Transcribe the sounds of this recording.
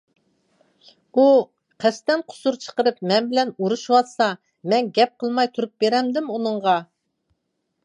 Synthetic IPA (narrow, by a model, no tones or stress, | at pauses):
u | qʰæst̪ɛnqʰʊ̥suɾt͡ʃʰə̥qəɾɨpmɛnbɪlɛnuɾuʃwɑt̪sɑ | mɛnɡʲɛp̚qʰəlˠmɑjt̪ʰuɾup̚beɾɛmd̪ɪmunɨɴʁɑ